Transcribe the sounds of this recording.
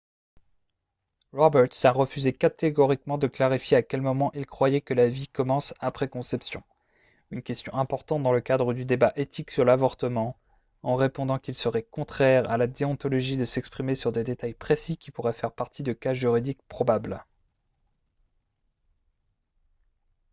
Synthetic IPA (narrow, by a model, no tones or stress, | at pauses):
ʁɔbɛʁt̪saʁəfyzekat̪eɡɔʁikmɑ̃d̪əklaʁifjeakʲɛlmɔmɑ̃ʔilkχwajɛkəlavikɔmɑ̃sapχɛkɔ̃sɛpsjɔ̰̃ | ynkʲɛst̪jɔ̃ʔɛ̃pɔʁt̪ɑ̃t̪̚d̪ɑ̃ləkad̪ʁəd̪yd̪ebaʔet̪ʰiksyʁlavɔʁt̪əmɑ̃ | ɑ̃ʁepɔ̃d̪ɑ̃kʲilsəʁɛkɔ̃t̪χɛʁa̰lad̪eɔ̃t̪ɔlɔʒid̪əsɛkspχimesyʁd̪ed̪et̪ajpχesikʲipuʁɛfɛʁpaʁt̪ʰid̪əkaʒyʁid̪ik̚pχɔbabl